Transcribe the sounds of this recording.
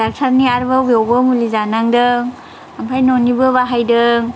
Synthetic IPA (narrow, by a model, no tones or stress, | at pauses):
ak̚sʰaɾniaɾbabjɔwbəmulizanaŋdɯŋ | ampʰajnonibɯbaɦajdɯŋ